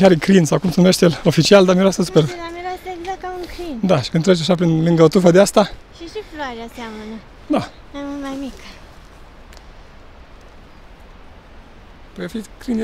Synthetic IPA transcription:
aɾekɾinsawkumsenumeʃt̪jelo̞fit͡ʃiald̪amiɾoasəsuperamiɾasəeɡzakauŋkɾind̪aʃi̥kɨnt̪ɾet͡ʃaʃapɾinlɨŋɡəot̪ufəd̪east̪a | ʃiʃifloaɾaseamənə | d̪a | mamumajmik | pəjafikɾin

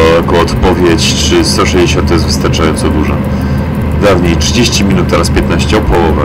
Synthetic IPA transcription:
ɔjakɔɔt̪pɔvʲjet͡ɕ | t͡ʂɘst̪ɔʂɛʑd͡ʑeɕɔ̃nt̪̚ːɔjɛzvɘ̥st̪aɾt͡ʂajɔnt̪sɔd̪uʐa | d̪avɲejtʂɘd͡ʑeɕt͡ɕimʲinut̪ːɛɾaspʲjɛt̪naɕt͡ɕɛɔpʰɔwɔvɛ

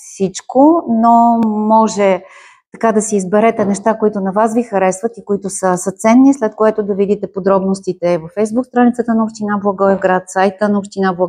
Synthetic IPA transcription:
fsit͡ʃkonomɔʒɛ | t̪ɐ̥kad̪ɐsɛizbɛɾɛt̪ɛnɛʃt̪akoit̪ʊnɐvasvixɐɾɛsvɐt̪ikoit̪ʊsəsət̪sɛnːislɛt̪koɛt̪ʊd̪ɐvid̪it̪ɛpod̪ɾɔbnost̪it̪ɛvɐfɛjzbukst̪ɾanit̪ət̪ənɐopʃt̪inablˠɐɡɔɛvɡɾat̪sajt̪ənɐopʃt̪inablˠɐ

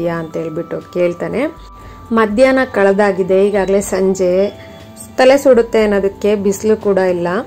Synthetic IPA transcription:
jɐːnt̪ɐeːɭbiʈːoːke̞ːɭt̪aːne̞ | mɐd̪ʱjaːnɐkɐɭɐd̪aːɡid̪e̞iːɡaːɡɐle̞sɐɲd͡ʒe̞ | t̪ɐle̞suɽut̪ːe̞ːnːoːd̪ɐkːe̞bislukuːɽɐilːɐ

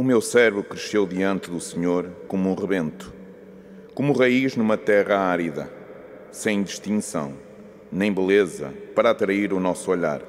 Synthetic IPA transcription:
umewsɛɾβukɾɨʃewðiɐ̃nt̪ɨðusɨɲoɾkomuũʁɨβẽnt̪u̥ | komuʁɐiʒnumɐt̪ɛʁɐaɾiðɐ̰ | sẽj̃d̪ɨʃt̪ĩsɐ̰̃w̃ | nẽj̃bɨlˠezɐ̰pɐɾɐːt̪ɾɐiɾunɔsuɔʎa̰ɾ

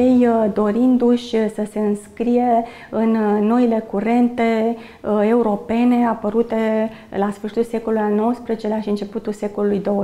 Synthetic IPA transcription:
jejd̪o̞ɾind̪uʃʲsəse̞ɨnskɾije̞ | ɨnːo̞ile̞kuɾe̞nt̪e̞ | e̞uɾo̞pe̞ne̞apəɾut̪e̞lasfəɾʃi̥t̪ulse̞ko̞lulujalno̞wəspɾezet͡ʃe̞laʃiɨnt͡ʃe̞put̪ulse̞ko̞lulujd̪o̞

